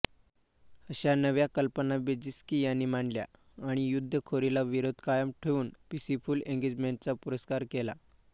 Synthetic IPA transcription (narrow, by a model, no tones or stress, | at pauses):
əɕanəʋjakəlpənabed͡ʑiskijanːimaɳlja̰ | aɽ̃ijud̪ʱːəkʰoɾilaʋiɾod̪ʱkajəmʈʰeʋuːnpisifuːlẽŋɡed͡ʑmeɳʈ̚t͡sapuɾəskaɾkela̰